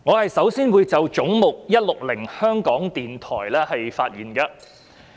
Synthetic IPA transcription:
ŋɔː˨˧hɐ˨jsɐ˨˥wsiː˥nwuː˨˧jt͡sɐ˨wt͡ʃʊ˨˥ŋmʊ˨k̚jɐ˥t̚lʊ˨k̚lɪ˨˩ŋhœː˥ŋkɔː˨˥ŋt̪iː˨nt̪ʰɔ̰ː˨˩jlɛː˥hɐ˨jfaː˧t̚jiː˨˩nɡɐ˧

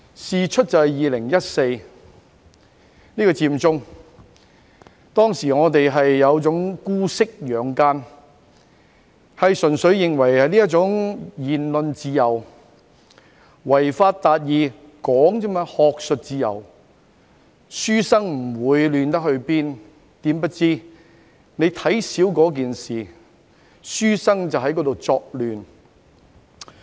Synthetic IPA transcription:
siː˨˧t͡ʃʰɵ˥t̚t͡sɐ˨hɐ˨jiː˨˧lɪ˨˩ŋjɐ˥t̚se˧j | niː˥kɔː˧t͡siː˧mt͡sʊ˥ŋ | t̪ɔː˥ŋsiː˨˩ŋɔː˨˧t̪e˨jɦɐ˨jːɐ˨˧wt͡sʊ˨˥ŋkuː˥sɪ˥k̚jœː˨˧ŋkaː˥n | hɐ˨jsɵ˨˩nsɵ˨˧˥ɥjɪ˨ŋwɐ˨˩jhɐ˨jniː˥jɐ˥t̚t͡sʊ˨˥ŋjiː˨nlɵ˧nt͡siː˧jɐ˨˩w | wɐ˨˩jfaː˧t̚t̪aː˨˧t̚jiː˨˧ | kɔː˨˥ŋt͡sɛː˥maː˧hɔː˧k̚sɵ˨t̚t͡siː˨˧jɐ̰˨˩w | syː˥sɐ˥ŋm̩˨˩wuː˨˧jlyː˨nt̪ɐ˥k̚hɵ˧ɥpiː˥n | t̪iː˨˥mpɐ˥t̚t͡siː˥ | ne˨˧jt̪ʰɐ˨˥jsiː˨˥wkɔː˨˥k̬iː˨nsiː˨ | syː˥sɐ˥ŋt͡sɐ˨wɦɐ˨˥jkɔ˨˥t̪o˨wt͡sɔː˧k̚lyː˨n

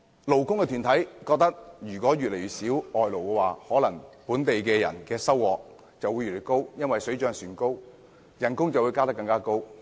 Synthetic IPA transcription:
lo˨wkʊ˥ŋkɛ˧t̪ʰyː˨˩nt̪ʰɐ˨˥jkɔː˧k̚t̪ɐ˥k̚jyː˨˩kʷɔː˨˥jɥyː˨le˨˩jɥyː˨t̚siː˨˥wɔː˨jlo˨˩wkɛː˧waː˨˩hɔː˨˥lɐ˨˩ŋpuː˨˥nt̪e˨jkɛː˧jɐ̰˨˩nkɛː˧sɐ˥wːɔː˨k̚ | t͡sɐ˨wu˨˧jyː˨le˨˩ko˥wjɐ˥nwɐ˨jsɵ˨˥ɥt͡ʃœː˧ŋsyː˨˩nko˥w | jɐ˨˩nkʊ˥ŋt͡sɐ˨wuː˨˧jkaː˥t̪ɐ˥kːɐ˧ŋkaː˥ko˥w

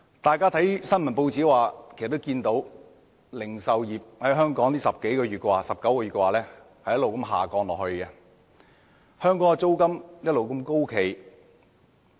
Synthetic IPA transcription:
t̪aː˨jkaː˥t̪ʰɐ˨˥jsɐ˥nmɐ˨˩npo˧wt͡siː˨˥waː˨kʰe˨˩st̪ːkiː˧nt̪o˨˥w | lɪ˨˩ŋsɐ˨wjiː˨p̚hɐ˨˥jɦœː˥ŋkɔː˨˥ŋliː˥sɐ˨p̚ke˨˥jkɔː˧ɥyː˨t̚kɛ˧waː˨˩sɐ˨p̚kɐ˨˥wkɔ˧ɥy˨˩kɛ˧waː˨lɛː˥ | hɐ˨jɐ˥lo˨wkɐ˧˥mɦa̰ː˨˩kɔː˧ŋlɔː˨˩khɵ˧ɥkɛ˧ | hœː˥ŋkɔː˨˥ŋɛ˧t͡so˥wkɐ˥mjɐ˥t̚lo˨wkɐ˧mko˥wkʰe˨˩j

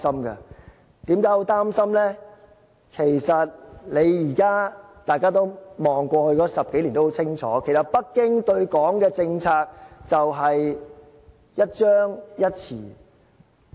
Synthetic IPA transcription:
sɐ˥mɡɐ̰˧ | t̪iː˨˥mkaː˨˥jo˨˥t̪aː˥msɐ˥mlɛː˥ | kʰe˨˩jsɐ˨t̚le˨˧jjiː˨˩kaː˥t̪aː˨jkaː˥t̪o˥wmɔː˨ŋkʷɔː˧hɵ˧ɥkɔː˨˥sɐ˨p̚ke˨˥jliː˨˩nt̪o˥ho˧˥t͡sʰɪ˥ŋt͡ʃʰɔ̰ː˨˦kʰe˨˩jsɐ˨t̚pɐ˥k̚kːɪ˥ŋt̪ɵ˧ɥkɔː˨˥ŋkɛː˧t͡sɪ˧ŋt͡sʰaː˧k̚t͡sɐ˨wɦɐ˨j | jɐ˥t̚t͡ʃœː˥ŋjɐ˥t̚t͡sʰiː˨˩

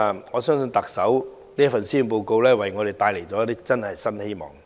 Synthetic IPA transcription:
ŋɔː˨˧sœː˥ŋsɵ˧nt̪ɐ˨k̚sɐ˨˥w | liː˥jɐ˥fɐ˨nsiː˥ju˨˧npo˧wko˧wlɛː˥wɐ˨˩jŋɔː˨˧d̪e˨jt̪aː˧jle˨˩jt͡sɔː˨˥jt̪iː˥k̚t͡sɐ˥nhɐ˨jsɐ˥nhe˥jmɔ̰ː˨˩ŋ

